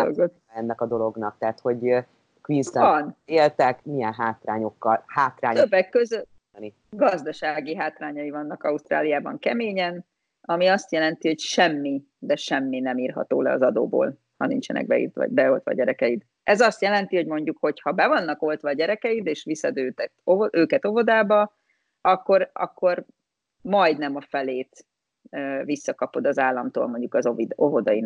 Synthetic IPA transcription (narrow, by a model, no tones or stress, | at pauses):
o̰ɡot̪ | ɛnːɛkɒd̪o̞lo̞ɡnɒk̚t̪aːt̪ho̞ɟ | kʋinsɛɒneːlt̪ɛkmijɛnɦaːt̪raːɲo̞kːɒlhaːt̪raːɲøbːɛkːøzøt̪ | ni | ɡɒzd̪ɒʃaːɡiɦaːt̪raːɲɒjivɒnːɒkɒust̪ra̰ːlijaːbɒ̰ŋkɛmeːɲɛn | ɒmiɒst̪jɛlɛnt̪iho̞cʃɛmːi | d̪ɛʃɛmːinɛmiːrɦɒ̰t̪o̰ːlɛ̰ɒ̰zɒd̪o̰ːbo̰ːl | hɒnḭnt͡ʃɛnɛ̰ɡ̚bɛ̰ḭːrt̪ɒ̰bɛolt̪ʋɒ̰ɟɛɾɛkɛjid̪ | ɛzɒst̪jɛlɛnt̪io̞ɟmo̞ɲɟukho̞chɒbɛvɒnːɒko̞lt̪ʋɒɟɛɾɛkɛjid̪eːʃʋisːɒd̪øːt̪ɛt̪oøːkɛt̪o̞vo̞d̪aːbɒ | ɒkːo̞rɒ̰kːo̞r | mɒjd̪nɛmɒfɛleːt̪ | øvisːɒkɒpo̞d̪ɒzaːlːɒmt̪o̰ːlmo̞ɲɟukɒzovid̪ovo̞d̪ɒjin